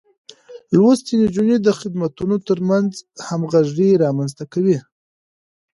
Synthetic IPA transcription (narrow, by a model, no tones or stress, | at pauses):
lwost̪inid͡ʒuned̪əxɪd̪mat̪unot̪əɾmanzhamɣaʒɽiɾɑmanzt̪akawi